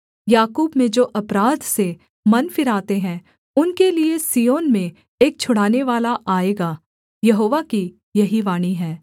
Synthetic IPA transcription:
jaːkuːbmẽd͡ʒoːʔɐpɾaːd̪ʱse | mɐnfɪɾaːt̪eɦɛ̃ː | ʊnkeliesijoːnmẽ | eːk̚t͡ʃʰʊɽ̤aːneʋaːlaʔaːeːɡaː | jɐɦoːʋaki | jɐɦiʋaːɽ̃iɦɛː

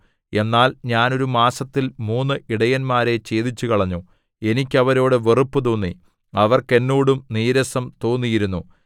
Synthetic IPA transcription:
e̞nːaːlɲaːno̞ɾumaːsɐt̪ːilmuːnːɨʔiɽɐjɐnmaːɾe̞t͡ɕe̞ːðit͡ɕːukɐɭɐɲːu | e̞nikʲːɐʋɐɾo̞ːɽɨʋerupːɨt̪oːnːi | ɐʋɐrke̞nːuːɽumniːɾɐsɐmt̪o̞ːnːijiɾunːu

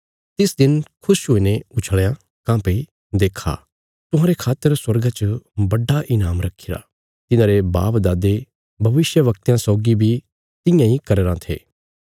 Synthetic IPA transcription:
t̪ɪsd̪ɪnkʰʊʃɦoːineʊt͡ʃʰəɭjã | kãːpe | d̪eːkʰːa̰ː | t̪ʊ̃ɦãːɾekʰaːt̪ːəɾswɐɾɡãt͡ʃəbɐɖːaʔɪnaːmɾɐkʰiɾa̰ː | t̪ɪnãːɾeba̰ːpd̪aːd̪e | bʱɐʋɪsjəʋɐk̚t̪jãsɔːɡibʱi | t̪ɪ̃jãikɐɾeːɾãt̪ʰḛː

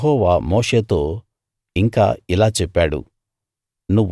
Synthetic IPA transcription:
ɦɔːʋaːmoːʂe̞ːt̪o̞ː | iŋka̰ːilaːt͡ʃɛpːaːɽṵ | nuʋː

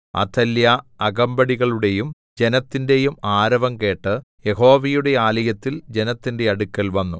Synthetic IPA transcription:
ɐ̰t̪ʰːɐljɐɐɡɐmbɐɽiɣɐɭuɽe̞jum | d͡ʑe̞nɐt̪ːinde̞jumaːɾɐʋɐmke̞ːʈːɨ | je̞ɦo̞ːʋijuɽe̞aːlɐjɐt̪ːild͡ʑe̞nɐt̪ːinde̞ɐɽukːɐlʋɐnːu

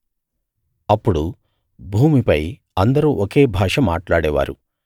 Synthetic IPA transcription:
ɐpːuɽu | bʱuːmipɐj | ɐnd̪ɐɾuːʔoke̞ːbʱaːʂɐmaːʈlaːɽɛːʋa̰ːɾṵ

